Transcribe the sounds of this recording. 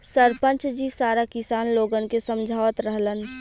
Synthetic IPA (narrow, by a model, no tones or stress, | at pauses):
səɾpə̃nt͡ʃd͡ʒisaːɾakɪsaːnloːɡənkesəmd͡ʒʱaːʋət̪ɾəɦlən